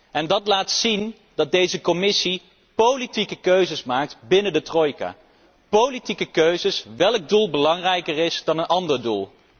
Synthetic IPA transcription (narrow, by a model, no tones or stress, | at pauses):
ɛndɑtlaːtsin | dɑd̚dejzəkomɪsi | powlitikəkøɥzəsmaːk̚tbɪnədətrojka̰ː | powlitikəkøɥzəsʋɛlˠɡ̚dulˠbəlɑŋrɛjkəɹɪsdɑnənʔɑndəɹdṵlˠ